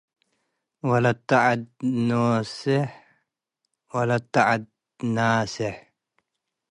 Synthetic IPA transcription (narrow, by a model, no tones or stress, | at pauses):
walat̪ːaʕad̪̚noːsɪħ | walat̪ːaʕad̪̚ | naːsɪħ